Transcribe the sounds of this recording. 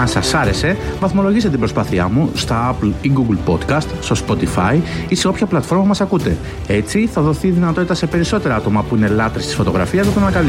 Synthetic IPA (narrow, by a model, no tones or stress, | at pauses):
ɐsɐsɐɾe̞se̞vɐθmo̞lo̞ʝist̪t̪ibɾo̞spɐθiɐ̰must̪ɐɐpliɡuɡlpo̞t̪kɐst̪st̪o̞spo̞t̪ifɐiise̞o̞pçɐplɐt̪fo̞ɾmɐpumɐsɐkut̪e̞ | e̞t͡siθɐðo̞θiðinɐt̪o̞t̪it̪ɐse̞pe̞ɾiso̞t̪e̞ɾɐɐt̪o̞mɐpuine̞lɐt̪ɾist̪i̥sfo̞t̪o̞ɣɾɐ̰fiɐszexunɐnɐkɐl